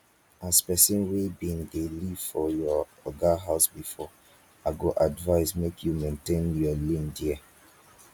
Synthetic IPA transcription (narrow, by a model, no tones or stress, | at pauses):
aspɛsɔ̃nwebĩndeliv̥fɔjɔɔɡaɦaʊsbifɔ | aɡoʔadvaɪsmekʰjumẽntẽnjɔlĩndiɛ